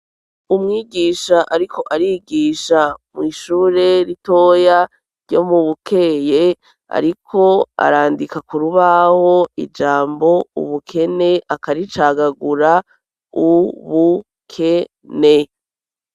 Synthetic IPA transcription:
umŋiːɡiːʃaʔaɾikʰo̞ʔaɾiɡiːʃamwiːʃuːɾe̞ɾito̞ːja | ɾɟo̞̰muβukʰe̞je̞ | a̰ɾikʰo̞a̰ɾaːndikakuɾuβaho̞ḭd͡ʒaːmbo̞ṵβukʰe̞ne̞akaɾit͡ʃaːɡaɡuɾa | uβu | kʰe̞ | ne̞

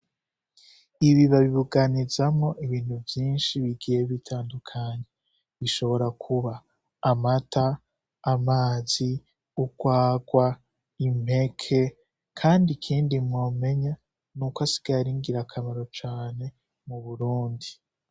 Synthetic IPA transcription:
iβiβaβiβuɡanizamo̞ʔiβiːn̥huvjiːnʃiβiɡijeβitʰaːndukʰaɲe | βiʃo̞βo̞ɾakʰuβaː | matʰaː | maːzi | uɡ̥waːɡwa | im̥e̞kʰe̞ | kʰaːndikʰiːndimŋoːme̞ɲa | nukasi̥ɡ̥aɾiŋɡiɾakʰamaɾo̞t͡ʃaːne̞ | muβuɾuːndi

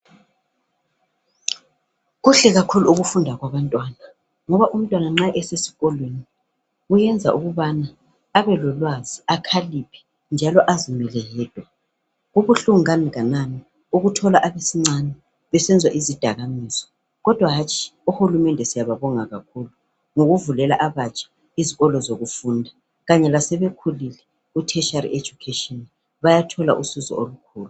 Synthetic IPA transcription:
ɣuɬɛɣakʰuluuɣufundʱaɣwaβantʼwaːna | ŋɔβaʔum̩tʼwanaŋ͡ǁaʔɛsesi̥ɣɔlweni | ujɛnd͡zʱa̰ʔuɣuβanaː | βɛlɔlwaziakʰalipʰi̥ | nd͡ʒʱalɔʔazimɛlɛɦɛːd̥ʱwa | ɣuβuɬuŋaniɣanani | uɣutʰɔlaʔaβesiŋ͡ǀanɛ | βɛsɛnd͡zʱwa̰ʔizid̥ʱaɣamiːsɔ̥ | ɣɔd̥ʱwaɦat͡ʃʰʼi̥uhulumɛndʱɛsijaβaβɔŋaɣakʰulu | ŋoɣuvulɛlaʔaβat͡ʃʰʼḁ | iziɣɔlɔzoɣufuːndʱa | ɣaɲɛlasɛβekʰulilɛ | utʰɛʃarie̥d͡ʒ̥ʱukʰeʃɔn | βajatʰɔla̰ʔusuzɔ̰olukʰuːlu

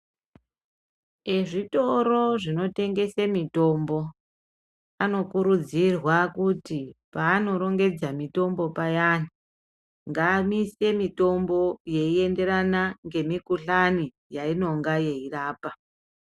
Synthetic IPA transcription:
eʐito̞ɾo̞ʐino̞te̞ŋɡe̞semito̞mbo̞ | ano̞kuɾud͡zirwakutipaːno̞ɾo̞ŋɡe̞d͡zamito̞mbo̞pajani | ŋɡaːmise̞mito̞mbo̞je̞ie̞nde̞ɾanaŋɡe̞mikuɬani | jaino̞ŋɡaje̞iraːpa

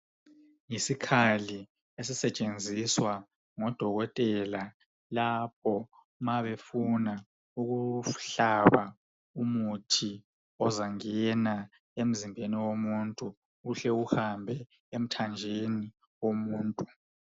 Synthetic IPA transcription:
ŋisikʰali | esisɛt͡ʃʼend͡zʱiswa | ŋɔd̥ʱɔɣɔtʼɛla | lap̚ʰɔ | maβefuna | uɣuɬaβa | umutʰi | ɔzaŋɛna | em̩zimbʱeniwomuntʼuː | ɬɛuhambʱɛ | em̩tʰand͡ʒʱeni | womuːntʼu

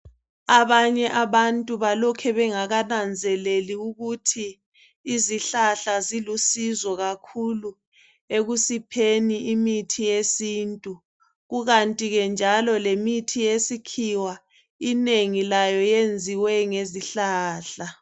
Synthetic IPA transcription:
aβaɲɛʔaβantʼuβalɔkʰɛβɛŋaɣanand͡zʱɛleliuɣutʰiː | ziɬaɬazilusizɔɣakʰulu | eɣusipʰeniʔimitʰijesiːntʼu | ɣuɣantʼiɣɛnd͡ʒʱalɔlemitʰijesikʰiwa | ineŋilajɔjend͡zʱiwɛŋeziɬaːɬa

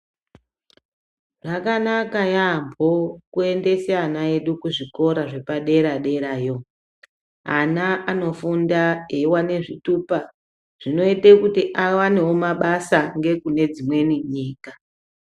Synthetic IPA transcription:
ʐakanakajambʱokue̞nde̞seanae̞ɗukuʐiko̞ɾaʐe̞paɗe̞ɾaɗe̞ɾaːjo̞ | anaano̞fundaewane̞ʐituːpa | ʐ̥ino̞itekutiʔawanewo̞maɓasaŋɡe̞kune̞d͡zimwe̞niɲiːka

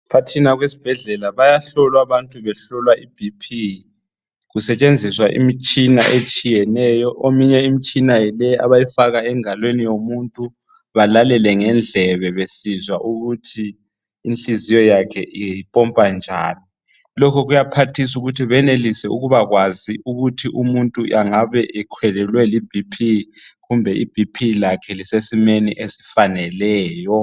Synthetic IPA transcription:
pʰatʰinaɣwesi̥b̥ʱɛɮɛlaβajaɬɔlwaβantʼuβɛɬɔlwaʔib̥ʱipʰi | ɣusɛt͡ʃʼend͡zʱiswaʔḭmit͡ʃʼina̰ʔet͡ʃʼijɛnɛjɔʔomiɲɛimit͡ʃʼinajilɛa̰βajifaɣaɛŋalwenijomuntʼu | βalalɛlɛŋɛnd͡ɮʱɛβɛβesizwaʔuɣutʰiː | nt͡ɬizijɔjakʰɛʔiipʼɔmpʼand͡ʒʱaːni | lɔkʰɔɣujapʰatʰis̬uɣutʰiβɛnelisɛuɣuβaɣwaziʔuɣutʰiʔumuntʼuʔaŋaβɛʔɛkʰwɛlɛlwɛlib̥ʱipʰiɣumbʱɛʔib̥ʱipʰilakʰɛlisesimeniʔesi̥fanɛlɛːjɔ

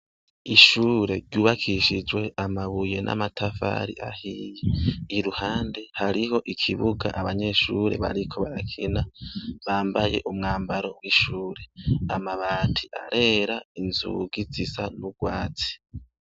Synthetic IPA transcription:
iʃuːɾe̞ɾɟuːβakʰiʃid͡ʒwe̞ʔamaβuje̞nʔa̰matʰafa̰ːɾḭʔahiːjeiɾuhaːnde̞haɾiho̞ʔikʰiβuɡa̰ʔaβaɲe̞ʃuːɾe̞̰βa̰ɾikʰo̞βaɾakʰinaβaːmbaje̞̰ʔumŋaːmbaɾo̞̰wiʃuːɾe̞amaβaːtʰiʔaɾʔe̞ɾainzṵɡizisanuɡ̥waːt͡si̥

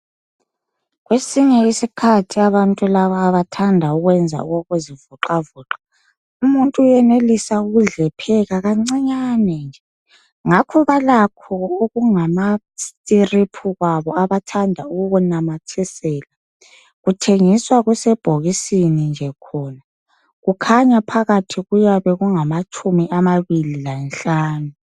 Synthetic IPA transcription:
ɣwesiɲɛisikʰatʰiaβantʼulaβaːβatʰandʱauɣwɛnd͡zʱa̰ṵɣoɣuzivuǁavuːǁḁ | umuntʼujɛnelisauɣuɮɛpʰɛɣaɣaŋ͡ǀiɲanɛnd͡ʒʱɛ | ŋakʰɔβalakʰɔoɣuŋama | stʼiripʰuɣaβɔaβatʰandʱauɣuɣunamatʰisɛːla | ɣutʰeŋiswaɣwusɛb̥ʱoɣisinind͡ʒʱɛkʰɔːna | ɣukʰaɲapʰaɣatʰiɣujaβɛɣuŋamat͡ʃʰʼumiʔamaβililanɬaːnu

